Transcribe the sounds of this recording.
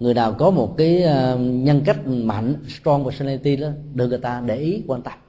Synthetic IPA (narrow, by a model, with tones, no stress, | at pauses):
ŋɨ˨˩əjnaː˨˩wkɔ˨˦mo˨˩t̚kaː˨˦jːɲə˧nka˦˥jk̟̚ma̰˧˨ŋ̟st̪ɔ˧ŋvɔ˨˧˩sa˧la˧t̪i˧la˨˦ɗɨ˨˧˩ŋɨ˨˩jt̪aː˧ɗe˧˩ʔi˨˦kwaː˧nt̪a˦˥k̚